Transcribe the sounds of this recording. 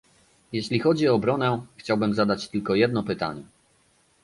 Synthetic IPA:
jɛɕlʲixɔd͡ʑiɔːbɾɔnɛxt͡ɕawbɘmzad̪at͡ɕt̪ɘlkɔjɛd̪nɔpɘt̪a̰ɲɛ

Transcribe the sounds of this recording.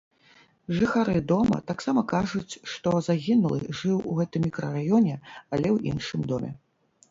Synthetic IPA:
ʐɨxaɾɨd̪ɔmɐ̰t̪aksamɐkaʐut͡sʲʂt̪ɔzaɣʲinulˠɨ̰ʐɨwuɣɛt̪ɨmʲːikɾɐrajɔnʲɛalʲɛwḭnʂɨmd̪ɔmʲɛ̰

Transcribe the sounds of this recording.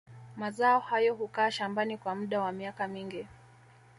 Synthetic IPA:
mazaɔhajɔɦukaːʃambanikwamuɗawamiakamiŋɡi

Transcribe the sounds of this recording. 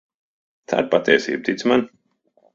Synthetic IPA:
t̪ʰa̰ːɾpat̪ʲɛɛsḭːb̚t̪it̪sman

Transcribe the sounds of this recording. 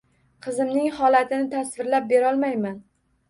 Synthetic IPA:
qʰɨzɪmnɪŋhɒlat̪ʰɪnɪt̪ʰasvɪɾlap̚be̞ɾɒlˠmajman

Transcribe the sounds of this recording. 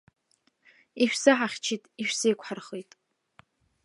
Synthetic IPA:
iʃᶣsɨħaχʲt͡ʃʰitʼiʃᶣsejkʷħarχitʼ

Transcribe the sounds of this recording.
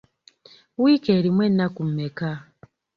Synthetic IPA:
wikeɾimwenakum̩eka

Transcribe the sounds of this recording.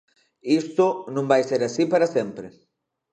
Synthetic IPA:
ist̪ʊnũmbajseɾasipaɾasempɾe

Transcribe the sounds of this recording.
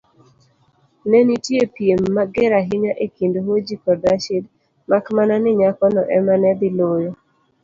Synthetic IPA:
nɛnitjepjemːaɡɪɾaɦɪɲaʔekindoɦod͡ʒikɔdaʃid | makmananɪɲakɔnɔʔɛmanɛd̪ɪlojɔ

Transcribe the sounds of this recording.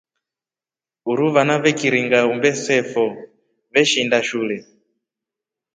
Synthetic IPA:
uɾuβanaβɛkiɾiŋɡaumbɛsɛfɔ | βɛʃindaʃulɛ

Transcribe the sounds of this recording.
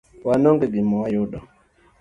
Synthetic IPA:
wanɔŋɡɛɡimɔwajɔɗɔ

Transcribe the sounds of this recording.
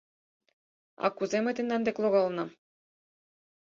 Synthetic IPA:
ɑ̰kːuzemʲɘ̆t̪ʲĕnd̪ɑnd̪eklˠoɣɑlˠnɤ̆

